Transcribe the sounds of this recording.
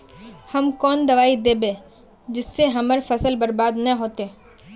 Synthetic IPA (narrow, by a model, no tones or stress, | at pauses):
hɐmkɔːnd̪ɐʋaːid̪eːbẽː | d͡ʒɪsːeɦɐməɾfʰɐsəlbɐɾbaːd̪nə̃ɦoːt̪eː